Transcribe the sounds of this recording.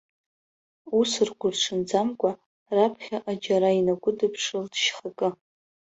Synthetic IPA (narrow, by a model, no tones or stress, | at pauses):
usɨrɡʷʊrʈ͡ʂʰɨnd͡zamkʷʼa | rapʰχʲaʔad͡ʒaɾainaɡʷʊdɨpʰʂɨldʃχakʼɨ